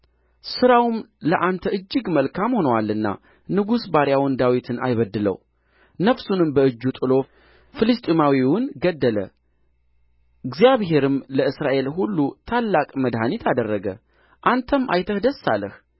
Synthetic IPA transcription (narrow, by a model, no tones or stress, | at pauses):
sɨɾawmləʔant̪ʰəɨd͡ʒːɨɡməlkʰamho̞nəwalːɨnːa̰ | nɨɡusbaɾjawɔnd̪awit̪ʰɨna̰jβəd̪ːɨlə̰w | nəfsunɨmbəɨd͡ʒːut̪ʼɨlo̞ | fɨlɨst̪ʼimawiwʊnɡəd̪ːələ̰ | ɨɡzijaβɦe̞ɾɨmləɨsɾaʔe̞lɦulːut̪ʰalːakʼməd̪ɦanit̪ʰad̪ərːəɡə̰ | ʔant̪ʰəmʔa̰jt̪ʰəhd̪əsːa̰lːəh